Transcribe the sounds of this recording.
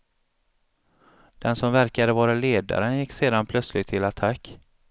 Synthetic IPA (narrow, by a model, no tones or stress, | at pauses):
d̪̥ɛnsɔmvæɾkad̪əvɑːɾaleːd̪a̰ɾənjɪkːseːd̪anpʰlœt̪slɪɡt̪ʰːɪlat̪ʰakː